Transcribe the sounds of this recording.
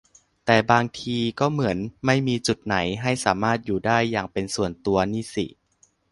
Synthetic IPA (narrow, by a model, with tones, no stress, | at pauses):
t̪ɛː˨˩baː˧ŋt̪ʰiː˧kɔː˥˩mɯ˩˦ənma˥˩jmiː˧t͡ɕu˨˩t̪̚na˩˦jɦa˥˩jsaː˩˦maː˥˩t̪̚juː˨˩daː˥˩jːaː˨˩ŋpe˧nsu˨˩ənt̪u˧ɐniː˥˩sḭ˨˩